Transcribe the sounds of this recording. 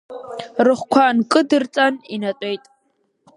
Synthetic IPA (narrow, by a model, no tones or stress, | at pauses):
rɨχʷkʷʰankʼɨdɨrt͡sʼaninatʼejtʼ